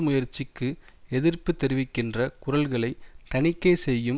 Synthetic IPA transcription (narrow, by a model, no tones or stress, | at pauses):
mʊjɐɾt͡ʃːɪkːɯ | ɛðɪrpɯt̪ːɛɾɪʋɪkːɪndrɐkʊrɐlɣɐɭɐɪt̪ɐɳɪkːeːsɛjːɯm